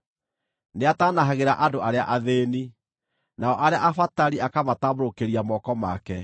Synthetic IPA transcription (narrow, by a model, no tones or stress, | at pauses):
neataːnaɦaɣeɾaʔadoaɾeaʔaðeːni | naɔʔaɾeaʔafataɾiakamataːboɾokeɾiamɔkɔma̰kɛ